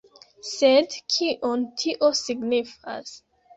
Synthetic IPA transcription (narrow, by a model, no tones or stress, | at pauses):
sedkʰiʔontʰiʔosiɡnifa̰s